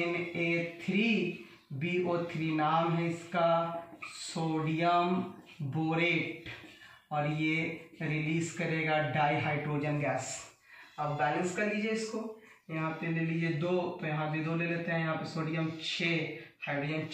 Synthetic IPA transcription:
ɪneːt̪ʰɾiː | biːoːt̪ʰɾiːnaːmɦɛɪska | soːɖijəm | boːɾeːʈ | ɔːɾjeɾɪliːskɐɾeːɡaɖaːiɦaːɪɖɾoːd͡ʒənɡɛːs | ɐbbɛːlə̃nskɐɾd̪iːd͡ʒieɪsko | jɐɦãpelelid͡ʒed̪oːt̪jɐɦãd͡ʒed̪oːleleːt̪eɦɛ̃jɐɦãːpɐsoːɖijəmt͡ʃʰeːhaːɪɖɾoːd͡ʒən

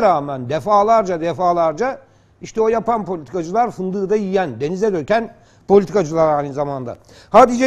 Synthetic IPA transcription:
ɾaːmænd̪ɛfaːlˠaɾd͡ʒad̪ɛfaːlˠaɾd͡ʒa | iʃt̪ʰɛojapanpʰolʲit̪ʰi̥kʰad͡ʒɯlˠaɾfɯnd̪ɯːd̪ajijænd̪e̞nizɛd̪øcæn | pʰo̞lʲit̪ʰikad͡ʒɯlˠaɾajnɯzamand̪a̰ | haːd̪id͡ʒ

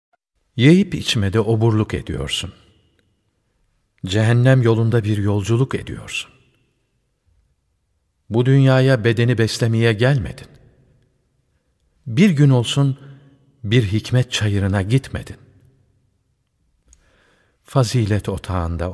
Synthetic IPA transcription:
jejɯpit͡ʃʰmɛd̪ɛʔo̞buɾlˠuke̞̰d̪ijo̞̰ɾsun | d͡ʒeɦænːæmjo̞lˠund̪abiɾjo̞lˠd͡ʒulˠuke̞̰d̪ḭjo̞̰ɾsu̥n | bud̪ynjaːjabe̞d̪e̞nibɛslʲemijɛɟælʲmḛd̪̥in | biɾɟyno̞lˠsun | biɾɦicmɛt̪̚t͡ʃʰajɯɾɯnaɟit̪me̞̰d̪̥in | faziːlʲɛt̪ʰo̞t̪ʰaːnd̪a̰

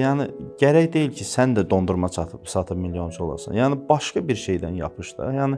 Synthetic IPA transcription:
jɑːnɪɟæɾæjd̪e̞jilcʰisænd̪æd̪o̞nd̪uɾmɑt͡ʃ̪ʰɯpsɑt̪ʰɯpmiljo̞nt͡ʃʰuo̞lˠɑ̰ɾsɑ̰njɑːnɪbɑʃkɑbiɾʃejd̪ænjɑ̰pʰɯʃd̪ɯ̰jɑːnɪ

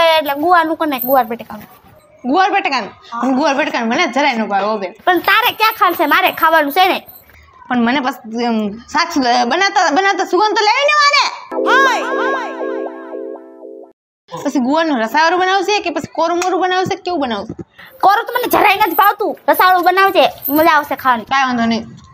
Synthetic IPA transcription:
eeʈleɡuʋanũkəneɡuʋaɾbeʈkan | ɡuʋaɾbeʈekanpəɳɡuʋaɾbeʈkanməned͡ʒʱəɾainõbʱaʋobepəɳt̪aɾekjakʰalsemaɾekʰaʋanũsene | pəɳmənebəs | sat͡ʃʰbənat̪abənaʋt̪asuɡənt̪oleʋinemaneɦa | pəsiɡuanũɾəsaʋaɾubənaʋusekipəsi̥koɾməɾubənaʋusekeubənaːʋusekoɾət̪oməned͡ʒʱəɾainəd͡ʒbʱaʋt̪ũɾəsaaɾuɓənaʋseməd͡ʒaʋsekʰaʋnũkaːjãnd̪ʱonəĩ

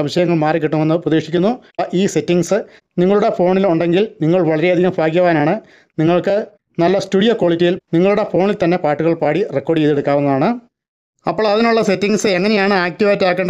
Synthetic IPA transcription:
ɐmiɕɐjɐŋːɐɭmaːɾik̬ːiʈːumʋɐnːɨpɾɐðiːʂikʲːunːuʔiːse̞tːiŋɡsɨ | niŋːɐɭuɽe̞fo̞ːɳiluɳɖe̞ŋɡilniŋːɐɭʋɐɭɐɾe̞ɐd̪ʱiɣɐmbʱaːkʲjɐʋaːnaːɳɨ | niŋːɐɭkɨ | nɐlːɐstuːɽijoko̞ːɭitːijilniŋːɐɭuɽe̞fo̞ːɳilt̪ɐnːe̞paːʈːuɣɐɭpaːɽirekːoːɖjeðeɽukːaːʋunːɐðaːɳɨ | ɐpːoɭɐðinuɭːɐse̞tːiŋsɨeŋːɐnejaːɳɨaːk̚tiʋaːjtːaːkːeːɳɖ

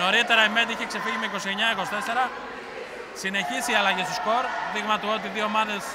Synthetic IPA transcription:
o̞ɾit̪e̞ɾɐimet̪iiçekse̞fiʝimeiko̞sieɲɐikosi̥t̪ese̞ɾɐ | sine̞çisiːɐlɐʝist̪usko̞ɾðiɣmɐt̪uot̪iðio̞ːmɐðe̞s

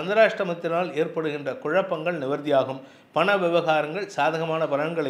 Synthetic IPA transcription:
ɐnd̪ɐɾaːʂʈrɐmɐt̪ːɪnaːleːrpɐɽɯɣɪndrɐkʊɻɐpːɐŋɡɐɭnɪʋɐɾðɪjaːɣɯm | pɐɳɐʋɪʋɐɣaːɾɐŋɡɐɭsaːðɐɣɐmaːnɐpɐɾɐɳɡɐɭɐ

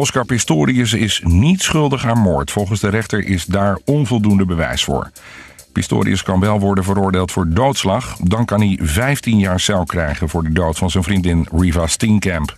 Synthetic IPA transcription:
ɔskaɹpɪstoːɾiəs̬ɪsnitsχɵlˠdəχaːnmo̰ːɹtfɔlˠχənzdəɾɛχtəɹʔɪzdaːɹɔnvɔlˠdundəbəʋɛ̰jsfʊ̰ːɹ | pɪstʊ̰ːɾḭəskɑnʋɛlˠʋɔɹdənvəɾʊːɹdeːlˠtfʊːɹdowtslɑχdɑnkɑnɦivɛjftinjaːɹsɛlkrɛjχənvʊːɹdədowtfɑnzənvrindɪnrivastinkɛmp

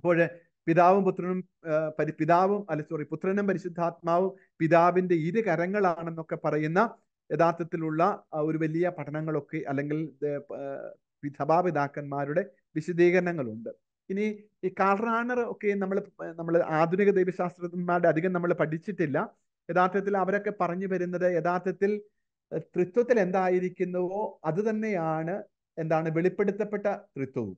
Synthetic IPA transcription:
ɐpːo̞ːɻe | piðaːʋumput̪rɐnum | pɐɾpiðaːʋumɐlːɐt͡ɕːɐriput̪rɐnumpɐɾiɕud̪ʱːaːt̪̚maːʋum | piðaːʋinde̞iɾɨkɐɾɐŋːɐɭaːɳe̞nːo̞kːe̞pɐrɐjunːɐ | eðaːrt̪ʰːɐt̪ːiluɭːɐo̞ɾuʋɐlijɐpɐʈʰɐnɐŋːɐɭo̞kːe̞ʔɐlːe̞ŋɡil | pid̪ʰɐbaːʋid̪aːkːɐnmaːɾuɽe̞ | ʋiɕud̪iːɣɐɾɐnɐŋːɐɭuɳɖɨ | ini | kaːrnaːɳɐro̞kːe̞jnɐmːɐɭnɐmːɐɭʔaːd̪ʱuniɣɐd̪ɐjʋɐɕaːst̪rɐmaːɾuɽeɐd̪ʱiɣɐmnɐmːɐɭpɐʈit͡ɕːiʈːilːɐ | e̞ðaːɾt̪jɐt̪̬ːilɐʋɐɾo̞kːe̞pɐrɐɲːupɐɾunːɐðɨeðaːt̪jɐt̪ːil | t̪rit̪wɐt̪ːile̞nd̪aːjiɾikʲːunːɐðo̞ːɐðɨt̪ɐnːe̞jaːɳɨ | e̞nd̪aːɳɨʋe̞ɭipːeɽut̪ːɐpːe̞ʈːɐt̪rit̪wɐʋṵm

